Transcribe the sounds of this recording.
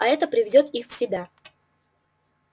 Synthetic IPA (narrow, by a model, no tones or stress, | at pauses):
ɐɛt̪əpɾʲɪvʲɪdʲo̞t̪ixfsʲɪbʲa